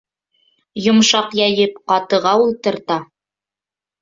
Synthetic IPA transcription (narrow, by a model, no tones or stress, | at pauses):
jŏmʃɑqjæjɘpqɑt̪ɤ̆ʁɑulˠt̪ɤ̆ɾt̪ɑ